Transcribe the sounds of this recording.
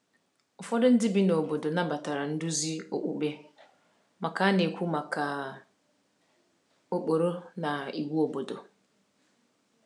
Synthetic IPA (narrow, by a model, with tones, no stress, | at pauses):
ɔ˨fɔ˦dɪ˦n̩˦dɪ˦bi˦na˨o˨bo˨do˨nã˦ba˨ta˨ɾa˨n̩˦du˦zi˦o̰˨ʔu˦be˦ | ma˨kʰa˦ne˨kʰʷu˦ma˨kʰa˨ | o˨k͡po˨ɾo˦nã˨i˨wu˦o˨bo˨do˨